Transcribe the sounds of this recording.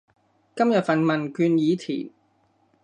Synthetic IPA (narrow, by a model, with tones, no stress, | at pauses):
kɐ˥mjɐ˨t̚fɐ˨nmɐ˨˩nkyː˧njiː˨˧t̪ʰḭː˨˩n